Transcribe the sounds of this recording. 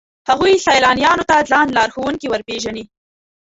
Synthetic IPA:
haɣujsajlɑnjɑnot̪alɑnlɑɾxowuŋkiwəɾpeʒani

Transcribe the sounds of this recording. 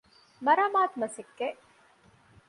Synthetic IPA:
mɐɾaːmaːt̪mɐsekːe

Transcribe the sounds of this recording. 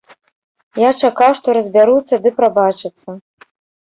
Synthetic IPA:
jat͡ʂakawʂt̪ɔɾɐzʲbʲaɾut̪sːɐd̪ɨpɾabat͡ʂɨt̪sːɐ

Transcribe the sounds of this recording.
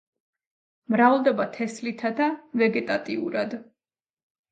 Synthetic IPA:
mɾavlˠd̪ɛbat̪ʰɛslit̪ʰad̪avɛɡɛt̪ʼat̪ʼiṵɾad̪

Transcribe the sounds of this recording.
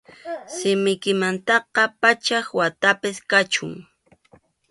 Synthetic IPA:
sɪmɪjkɪmant̪ɑqɑpat͡ʃaxwat̪apɪskat͡ʃʊ̰ŋ

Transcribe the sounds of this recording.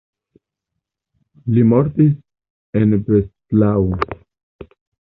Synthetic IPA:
limo̞ɾtis | enbestlaw

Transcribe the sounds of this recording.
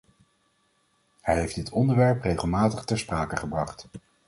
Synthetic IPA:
hɛjɦejfd̥ɪtɔndəɹʋɛɹprejχəlˠmaːtəχtɛɹspraːkəχəbrɑχt

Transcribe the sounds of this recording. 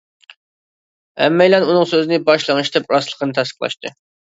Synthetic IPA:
ɛmːɛjlɛnunɨŋsøzɪnɪbɑʃlˠəŋɨʃt̪ɛpɾɑslˠəqʰənɨt̪ʰæst̪ə̥qʰlˠɑ̰ʃt̪ɨ̰

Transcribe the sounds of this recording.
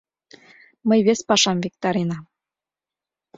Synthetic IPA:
məjβespɑʃɑmvʲek̚t̪ɑɾenɑm

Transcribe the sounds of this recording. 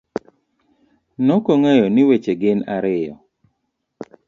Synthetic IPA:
nɔkoŋɛjɔnɪwet͡ʃeɡɪnaɾɪjɔ̰

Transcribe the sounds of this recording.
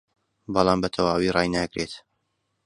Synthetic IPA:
bɑlˠɑːmbɐt̪ʰɐwaːwirɑːjnaɡɾet̪

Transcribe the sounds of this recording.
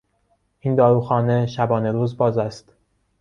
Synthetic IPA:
ʔind̪ɒːɾuːxɒːne̞ʃæbɒːne̞ɾuːzbɒːzæst̪

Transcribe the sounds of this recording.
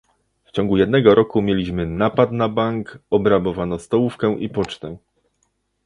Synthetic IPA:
ft͡ɕɔŋɡujɛd̪nɛɡɔɾʔɔkumʲjelʲiɕmɘnapat̪nabaŋkɔbɾabɔvanɔst̪ɔwufkɛʔipɔt͡ʂt̪ɛ

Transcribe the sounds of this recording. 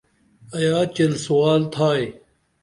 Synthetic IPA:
ɐjaːt͡ɕɐlsuwaːlt̪ʰaːe

